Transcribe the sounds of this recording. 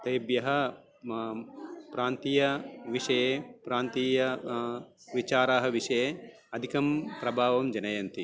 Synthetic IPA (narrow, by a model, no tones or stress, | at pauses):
t̪ɐːbjɐɦɐ | pɾaːnt̪ijɐʋiʂɐjeːpɾaːnt̪iːjɐ | ʋit͡ʃaːɾaːɦɐʋiʂɐjeː | ɐd̪ʱikɐmpɾɐbʱaːʋɐmd͡ʒɐnɐjɐnt̪i